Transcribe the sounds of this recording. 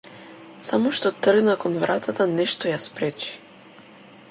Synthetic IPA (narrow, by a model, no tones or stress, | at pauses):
samɔʃt̪ɔt̪r̩ɡnakɔnvɾat̪ʰat̪anɛʃt̪ɔjaspɾɛt͡ʃi̥